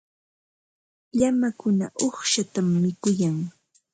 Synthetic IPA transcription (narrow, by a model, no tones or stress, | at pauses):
ʎamakʊnaʔoχʃat̪amːɪkʊjaŋ